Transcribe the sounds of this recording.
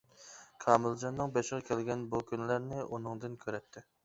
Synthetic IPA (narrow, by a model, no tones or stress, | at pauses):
kʰɑːmɪld͡ʒɑnːɨŋbɛʃʁɑkʲʰɛlɡʲɛnbukʲynlæɾnɪʔunɨŋd̪ɨnkʲʰøɾɛt̪ʰːɪ